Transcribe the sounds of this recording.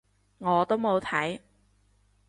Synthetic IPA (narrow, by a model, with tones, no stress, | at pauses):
ŋɔː˨˧t̪o˥wmo˨˧wt̪ʰɐ˨˥j